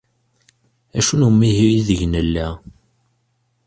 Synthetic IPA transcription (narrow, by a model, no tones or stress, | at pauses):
æʃunumːiɦiiðəʝnəlːæ